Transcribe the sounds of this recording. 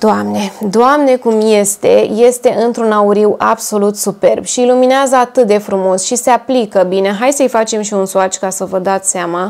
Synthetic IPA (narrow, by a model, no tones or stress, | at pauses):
d̪oamne̞d̪oamne̞kumje̞st̪e̞̰je̞st̪e̞ʔɨnt̪ɾunauɾiwʔabso̞lut̪supe̞rbʃiilumineazəat̪ɨt̪̚d̪e̞fɾumo̞sʃise̞aplikəbine̞ɦajsəɨjfat͡ʃe̞mʃiunsuat͡ʃkasəvəd̪at̪sʲseama